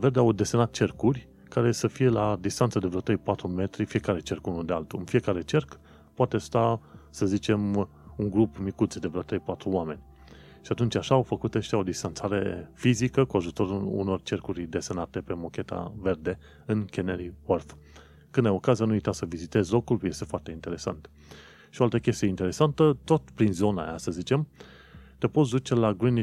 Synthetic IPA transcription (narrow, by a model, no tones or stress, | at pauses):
ve̞rd̪eawd̪e̞senat̪̚t͡ʃe̞rkurʲ | kaɾe̞səfije̞lad̪ist̪ant̪səd̪evɾeoat̪ɾejpat̪ɾume̞t̪ɾifije̞kaɾe̞t͡ʃe̞rkunud̪e̞alt̪uɨnfije̞kaɾe̞t͡ʃe̞rk | poat̪est̪asəzit͡ʃe̞m | uŋɡɾupmikut̪sid̪e̞vɾeat̪ɾejpat̪ɾuoame̞nʲ | ʃiat̪unt͡ʃʲaʃaːwfəkut̪eʃt̪ʲao̞d̪ist̪ant̪saɾe̞̰fizikəkuaʒut̪o̞ɾuṵno̞rt͡ʃe̞rkuɾid̪e̞senat̪e̞pe̞mo̞kʲe̞t̪a̰ve̞rd̪e̞ | ɨnkʲeneɾiworf | kɨnd̪ajo̞kazijanuujt̪asəvizit̪e̞zlo̞kulje̞st̪e̞foart̪eint̪e̞ɾe̞sa̰nt̪ | ʃioalt̪əkʲe̞st̪ijeint̪e̞ɾe̞sant̪ət̪o̞t̪pɾinzo̞na̰ja̰səzit͡ʃe̞m | t̪epo̞t̪sd̪ut͡ʃe̞laɡɾin